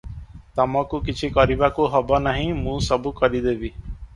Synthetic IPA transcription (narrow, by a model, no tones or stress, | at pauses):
t̪ɔmɔkukit͡ʃʰikɔɾibakuɦɔbɔnaɦĩmũsɔbukɔɾid̪ebi